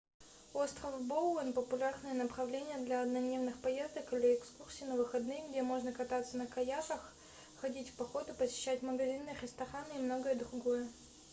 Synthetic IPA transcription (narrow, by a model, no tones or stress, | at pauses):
o̞st̪ɾəfbolˠonpəpʊlʲarnɨjənəpɾɐvlʲenʲɪjəd̪lʲɐɐd̪nɐnʲevnɨxpɐje̞zd̪əkɨlʲɪɪkskursʲiːnəvɨxɐd̪nɨjəɡdʲemo̞ʐnəkɐt̪at̪sːənəkɐjaʂəx | xɐdʲitʲfʲpɐxo̞d̪ʊpəsʲɪ̥ɕːætʲməɡɐzʲinːɨjxʲɾʲɪst̪ɐxanɨimno̞ɡəjəd̪ɾʊɡojə